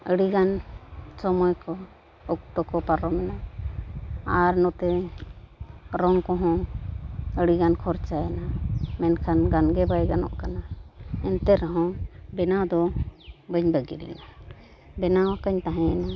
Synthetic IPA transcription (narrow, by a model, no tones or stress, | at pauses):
əɽiɡansɔmɔjkɔ | ɔk̚t̪ɔkɔpaɾɔmɛna | aɾnɔt̪ɛ | ɾɔŋkɔɦɔ̃ | əɽiɡankʰɔɾt͡ʃajanamɛnkʰanɡanɡɛbajɡanɔ̰ʔkanaɛnt̪ɛɾɔɦɔ̃bɛnad̪ɔbəɲbəɡḭɾɛ̰na | bɛnawakəɲt̪aɦɛ̃ana